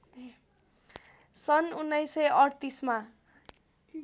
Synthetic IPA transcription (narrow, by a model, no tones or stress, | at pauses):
sʌnunːʌjsʌjʌɽt̪isma